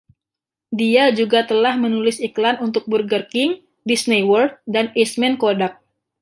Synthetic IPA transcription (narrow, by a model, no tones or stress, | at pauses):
diad͡ʒuɡat̪əlahmənulɪsiklanunt̪ʊk̚bərɡərkɪŋ | disniwɔrd̪̚danismɛnkodak̚